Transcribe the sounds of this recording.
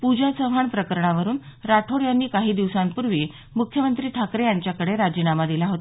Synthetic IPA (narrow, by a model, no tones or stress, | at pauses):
pud͡ʑasəʋ̤aɳpɾəkəɾɳaʋəɾuːnɾaʈʰoɽjanːiːkaɦiːd̪iʋsampuɾʋiː | mukʰjəmənt̪ɾiːʈʰakɾejaɲt͡ɕjakəɽeɾad͡ʑiːnamad̪ilaɦot̪a